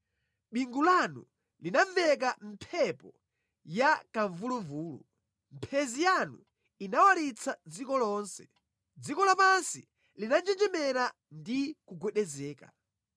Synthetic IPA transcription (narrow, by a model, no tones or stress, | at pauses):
ɓiŋɡulanṵ | linavɛk̬am̩pʰɛpɔ | jakaɱvuluɱvuːlṵ | m̩pʰɛzijanṵ | inawaɾit͡sʰad͡zikɔlɔːnsɛ̥ | d͡zikɔlapansi | linand͡ʒɛnd͡ʒɛmɛɾa | ndikuɡwɛɗɛzɛːka